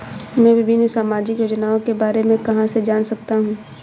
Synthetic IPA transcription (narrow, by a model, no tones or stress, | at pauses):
mɛ̃ʋɪbʱɪnsaːmaːd͡ʒɪkjoːd͡ʒnaːõkebaːɾemẽkɐɦãsed͡ʒaːnsɐk̚t̪aɦũː